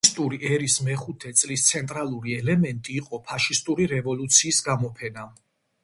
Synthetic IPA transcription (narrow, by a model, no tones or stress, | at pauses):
st̪ʼuɾiɛɾismɛχut̪ʰɛt̪sʼlist̪sʰɛnt̪ʼɾalˠuɾiɛlɛmɛnt̪ʼiːqʼɔpʰaʃist̪ʼuɾiɾɛvɔlut̪sʰiːsɡamɔpʰɛna